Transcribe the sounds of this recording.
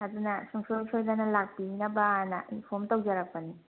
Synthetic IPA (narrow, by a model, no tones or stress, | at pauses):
adunɐsuŋsojsojdanɐlak̚pinɐbanɐʔipʰomtawd͡ʒaɾak̚pɐni